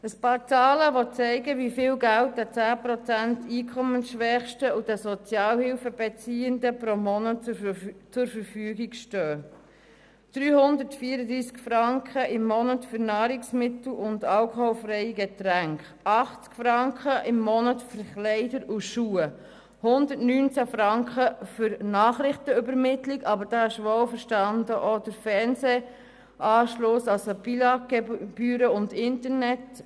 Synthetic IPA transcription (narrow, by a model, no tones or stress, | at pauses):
əspɑːɾt͡sɑːləʋɔt͡sɛɪɡəʋifɪːlɡælt̚dɛt͡sæːpɾɔt͡sæntiːkʰɔmənsʃʋɛχʃtəud̥ɛsɔt͡sjɑːlhɪlfəb̥ɛt͡siːəndəpɾomɔnə | t͡sʊɾfəɾfyːɡikʃtœː | d̥ɾyːhʊnd̪ətfiːəɾədɾiːskfɾɑŋkχəʔɪmːɔnətfʏɾnɑːɾɪksmɪt̪l̩ʊndɑlkhɔwfɾɛɪɡɛt̪ɾæŋkχ | ɑχt͡skfɾɑŋkχəʔɪmːɔnətfəɾχlɛɪdəɾuʃuːə | hʊndəɾtnyːnt͡sæfɾɑŋkχəfʏɾnɑːχɾɪχtəʏbəɾmɪtlikɑbəɾd̥ɑːɪʃʋowfəɾʃtɑndəʔod̥əɾfɛɾnse | ʔɑːʃlʊsɑlsobilɑɡ̥ɛb̥yːɾəʊndɪntəɾnɛt